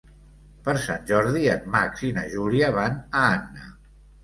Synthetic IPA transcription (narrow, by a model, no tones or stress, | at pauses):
pəɾsanʲʒɔɾðiənmaksinəʒuɾiəβanəanːə̰